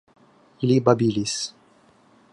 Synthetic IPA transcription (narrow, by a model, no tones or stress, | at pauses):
ilibabilis